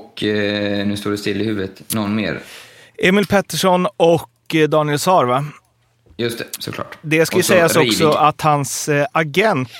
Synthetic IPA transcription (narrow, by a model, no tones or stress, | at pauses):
k | nʉ̟ːst̪oːɖɛst̪ɪlːɪhʉ̟ːvət̪nɔnmḛːɾ | ʔɛmɪlpʰɛt̪ːɛʂɔnɔk | d̪ɑːnɪɛlsɑːɾva | jɵst̪ʰɛsɔ̰kʰlɑ̰ːʈd̪ɛskajəsɛjːasɔksɔʔat̪hansaɡɛnt̪